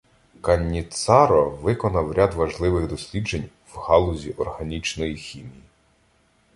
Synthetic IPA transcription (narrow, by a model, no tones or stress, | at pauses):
kɐnʲːit̪sɑɾɔʋɪkɔnɐwɾʲad̪ʋɐʒlˠɪʋɪɣd̪ɔsʲlʲid͡ʒenʲ | whɑlˠʊzʲiʔɔrhɐnʲit͡ʃnɔjixʲimʲiji